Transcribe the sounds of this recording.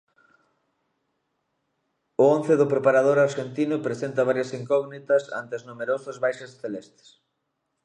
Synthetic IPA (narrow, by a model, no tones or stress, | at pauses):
ʊõnθeðʊpɾepaɾaðoɾaɾʃent̪inʊpɾesent̪ɐβ̞aɾjɐsiŋkɔɣnit̪ɐsa̰nt̪eoznomeɾosʊzβajʃesθelest̪e̥s